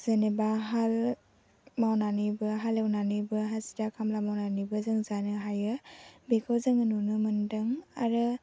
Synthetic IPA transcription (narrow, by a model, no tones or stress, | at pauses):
z̥enebaɦal | mawnanibɯɦalewnanibɯɦazidakʰamlamawnanibɯzɯŋzanɯɦajɯbekʰawzɯŋɯnunɯmɯndɯŋa̰ɾɯ